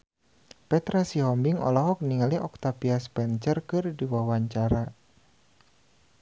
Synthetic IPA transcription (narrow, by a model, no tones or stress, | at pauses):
pɛt̪ɾasiɦɔmbiŋɔ̰lɔɦɔk̚niŋaliʔɔk̚t̪apiaspɛnt͡ʃərkɨrdiwawaɲt͡ʃaɾa